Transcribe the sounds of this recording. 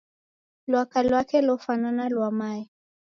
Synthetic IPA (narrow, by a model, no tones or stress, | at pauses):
lwakalwakɛlɔfananalwamaɛ